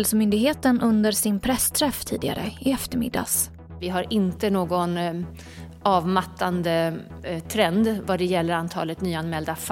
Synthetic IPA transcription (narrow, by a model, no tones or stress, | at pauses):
lsmʏnd̪ɪɡɦeːt̪ənʔɵnd̪əɾʂɪnpʰɾɛst̪ʰɾɛft̪ʰḭːd̪ɪɡa̰ɾʔə̰ɪɛft̪əɾmɪ̰d̪ːa̰s | vɪɦaɾʔɪnt̪ənoːɡɔn | ɑːvmat̪ʰːand̪ə | t̪ʰɾɛnd̪vaɖɛjɛlːəɾant̪ʰɑ̰ːlət̪nyːanmɛld̪af